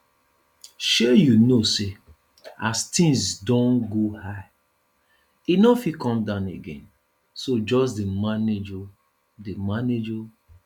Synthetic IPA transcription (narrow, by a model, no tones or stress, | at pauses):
ʃejunose | astʰĩŋsdɔ̃nɡohaɪ | inɔfikɔ̃mdãʊ̃nḛɡḛ̃n | sod͡ʒɔs̬demaned͡ʒo | demaned͡ʒo